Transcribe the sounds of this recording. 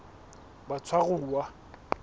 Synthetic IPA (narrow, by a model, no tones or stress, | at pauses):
bat͡sʰwaɣʊːwa